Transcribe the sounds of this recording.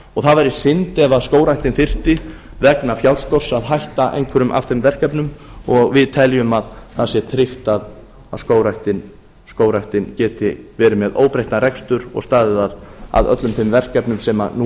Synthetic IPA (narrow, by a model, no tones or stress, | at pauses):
ɔɣθaðvajɾɪsɪnt̪ɛvaðskoːwɾajht̪ɪnfɪr̥t̪ɪ | vɛknafjawɾ̥skɔr̥saðɦajht̪aʔḛjŋkʰvɛɾʏmʔa̰fθɪmvɛr̥kɛpnʏmɔɣvɪðt̪ʰɛljʏmaðθasjɛt̪ʰɾɪft̪að | aðskoːwɾajht̪ɪn | skoːwɾajht̪ɪncɛːt̪ɪvɛːɾɪmɛðo̰ːwpɾeht̪naɾɛkst̪ʏɾɔ̰ɣst̪aːðɪðaða̰ðœ̰t̪lʏmθɪmvɛr̥kɛpnʏmsɛma̰nu